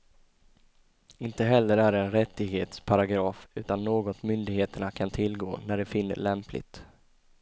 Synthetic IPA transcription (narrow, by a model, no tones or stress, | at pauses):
ɪnt̪əɦɛlːəɾæɾɛnɾɛt̪ːɪɡɦeːt̪spʰaɾaɡɾɑːfʉ̟ːt̪anːoːɡɔt̪mʏnd̪ɪɡheːt̪əɳakʰant̪ʰɪlɡo̰ːnæɖɛfɪnːə̰ɭɛmplɪ̰t̪